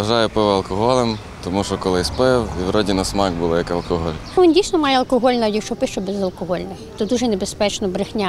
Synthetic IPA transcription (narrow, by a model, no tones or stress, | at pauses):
ʋɐʒɑjɛpɔʋɐlˠkɔɦɔlˠem | t̪ɔmuʃɔkɔlˠɪspɪwiwɾɔdʲinɐsmɑɡbulˠɪjɐkɐlˠkɔɦɔlʲʋʲindʲijsnɔmɑjɛɐlˠkɔɦɔlʲnɐjʲɐkt͡ʃɔpɪʃt͡ʃɔbɛzɐlˠkɔɦɔlʲnɔ | t̪ɔd̪uʒɛnebespɛt͡ʃnɔbɾɪxnʲa